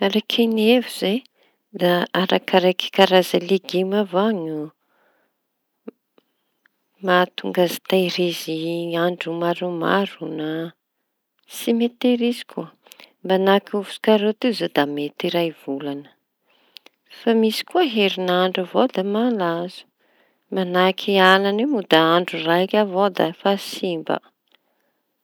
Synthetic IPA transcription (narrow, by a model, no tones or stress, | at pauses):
aɾakʰenevuz̥e | d̪aaɾakaɾaki̥kaɾazaleɡimavaɲu | mat̪uŋɡazi̥t̪ajɾiziaɳɖ͡ʐumaɾuma̰ɾuna | simet̪eɾizi̥kʰuə | mbanakuvu̥su̥kaɾet̪izod̪amet̪iɾajv̥ulanə̥ | famisi̥kuəɦeɾinaɳɖ͡ʐavod̪əmalazu̥ | manakʰialanemud̪aaɳɖ͡ʐurajkʲavod̪afasimbə̰